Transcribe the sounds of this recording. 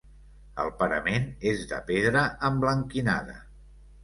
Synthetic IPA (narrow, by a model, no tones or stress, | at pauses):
ə̰lˠpəɾəmenezðə̰peðɾəəmbləŋkina̰ðə̰